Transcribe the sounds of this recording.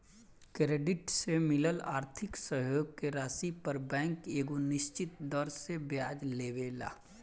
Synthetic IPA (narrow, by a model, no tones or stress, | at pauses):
kɾeːɖɪʈsemɪləlaːɾt̪ʰɪksəɦjoːɡ̚keɾaːsipɐɾbɛ̃ːŋkeːɡonɪʃt͡ʃɪt̪̚d̪ɔːɾsebjaːd͡ʒleːʋeːla̰ː